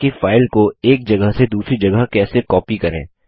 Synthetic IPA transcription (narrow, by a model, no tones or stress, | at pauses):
ifaːɪlkoeːk̚d͡ʒɐɡəɦsed̪uːsɾid͡ʒɐɡəɦkɛːsekɔːpikɐɾḛ̃ː